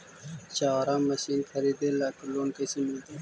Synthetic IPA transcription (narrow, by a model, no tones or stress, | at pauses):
t͡ʃaːɾãːmːɐʃiːnkʰɐɾiːd̪elaːkloːnkɐjsimɪlt̪eː